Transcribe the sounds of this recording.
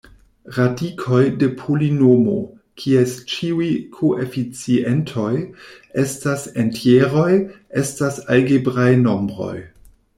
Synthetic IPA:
ɾadikʰo̞jde̞pʰulinomo̞̰ | kʰiest͡ʃiujkʰoʔefit͡sientʰo̞j | estasentjeɾo̞j | e̞stasalɡebɾajno̞mbɾo̞̰j

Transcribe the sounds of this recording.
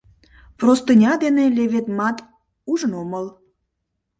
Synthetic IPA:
prost̪ɨnʲɑd̪eneleβet̪mɑt̪ | uʒənoməl

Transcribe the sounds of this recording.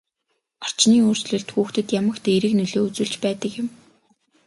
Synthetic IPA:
ɔr̥t͡ɕniːoːrsɮɵ̆ɮt̪xuːxt̪ɵ̆t̪jamə̆kt̪ʰeiɾɘ̆knɵɮoːut͡sŭːɮt͡ɕpæːt̪ə̆kjɪ̆m

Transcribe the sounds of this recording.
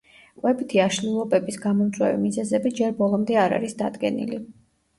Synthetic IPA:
qʼwɛbit̪ʰiaʃlilˠɔbɛbisɡamɔmd̪zʼwɛ̰vḭmizɛzɛbid͡ʒɛɾbɔlˠɔmd̪ɛaɾa̰ɾisd̪ad̪ɡɛ̰nḭli

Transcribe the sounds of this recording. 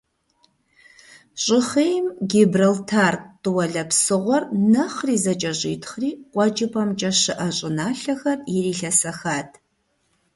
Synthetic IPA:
ɕʼɪχejmɡebrɐltʰaːrtʼːɨwɐɮɐpsɨʁʷɔrnɨχriːzɐt͡ʃʼɐʑḭtʰχriːqʷʼɔd͡ʒɪpʰʼɐmt͡ʃʼɐʃɨʔɐɕʼɪnaːɬɐxɐrjɛriːɬɐsɐxaːtʰʼ

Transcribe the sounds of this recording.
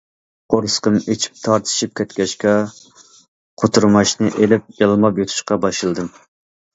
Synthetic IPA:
qʰoɾsqəmet͡ʃʰi̥p̚t̪ʰɑɾt̪ʰɨ̥ʃip̚kʲʰɛt̪kʲʰɛʃkʲɛ | qʰot̪ʰuɾmɑʃnɨʔelɪp̚jɑlˠmɑpjot̪ʰu̥ʃqɑbɑʃɨlˠd̪ɨm

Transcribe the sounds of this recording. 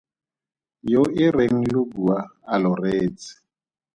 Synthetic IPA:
joʔɪreŋ̩lʊbuaalɔreːt͡sɪ̥

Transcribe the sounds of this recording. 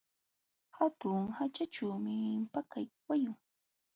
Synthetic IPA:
hat̪ʊŋhat͡ʃat͡ʃawmɪmpakajwajʊŋ

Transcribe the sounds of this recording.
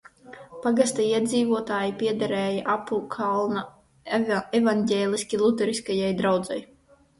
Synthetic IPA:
paɡast̪aiɛd̪ziːvuɔt̪aːjipʲiɛd̪aɾɛːjaʔapukʰalˠna | evanɟʲɛːlʲˠisʲkʲilˠut̪ɛɾiskajajd̪ɾawd̪za̰j

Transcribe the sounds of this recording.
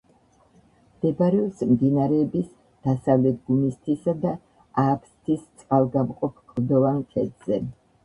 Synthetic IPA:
md̪̥ɛbaɾɛɔsmd̪inaɾɛːbis | d̪̥asavlɛt̪̚ʰɡumist̪ʰisad̪a | apʰst̪ʰist̪sʼqʼalˠɡamqʼɔpʰkʼɾd̪ɔvaŋkʰɛd̪z̥ɛ

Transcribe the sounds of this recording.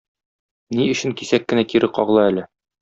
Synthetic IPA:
niɵ̆ɕɘŋkisækːɘ̆nækiɾʔɘqɒʁlˠɤælɘ

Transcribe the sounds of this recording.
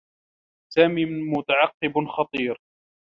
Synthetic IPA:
saːmiːmʊt̪aʕɑqːɪbxɑt̪ˤiːɾ

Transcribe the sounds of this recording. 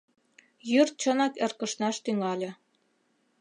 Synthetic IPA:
jyrt̪̚t͡ɕənɑkerkɤ̆ʃnɑʃt̪yŋɑlʲĕ

